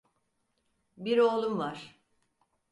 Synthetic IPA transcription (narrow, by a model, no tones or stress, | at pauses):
biɾo̞ːlˠumvaɾ̥